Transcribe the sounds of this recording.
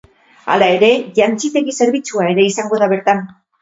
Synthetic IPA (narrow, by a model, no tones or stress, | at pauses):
a̰lae̞ɾe̞ʝant͡sit̪e̞ɣise̞ɾβit͡suae̞ɾe̞isaŋɡo̞ðaβe̞ɾt̪an